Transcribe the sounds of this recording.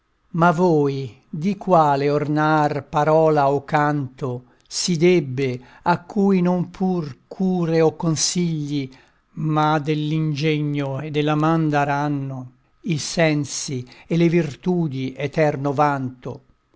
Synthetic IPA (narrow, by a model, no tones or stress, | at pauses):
mavɔːj | d̪ikwaːleornarpaɾɔːlaokːant̪o | sid̪ebːe | akʰːuːjnompʰurkʰuːɾeɔkːonsiʎːi | mad̪elːind͡ʒɛɲːoed̪ːelamand̪aɾanːo | isɛnsielevirt̪uːd̪iʔɛt̪ɛrnovant̪o̰